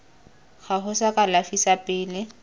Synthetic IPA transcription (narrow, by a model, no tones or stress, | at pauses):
ɣaɦʊsakʼalafisapʼɪːlɪ